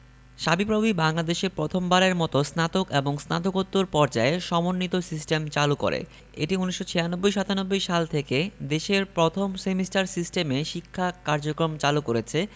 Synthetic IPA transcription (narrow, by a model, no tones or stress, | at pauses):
ʃabipɾobibaŋlad̪eʃeɾpɾot̪ʰombaɾeɾmɔt̪osnat̪okeboŋsna̰t̪okot̪ːoɾpɔɾd͡ʑaeʃɔmonːit̪osisʈemt͡ɕaluko̰ɾḛ | ḛʈiuniʃːot͡ɕʰeanobːojʃat̪anobːojʃalt̪ʰeked̪eʃeɾpɾot̪ʰomsemisʈaɾsisʈemeʃikʰːakaɾd͡ʑokɾomt͡ɕalukoɾet͡ɕʰe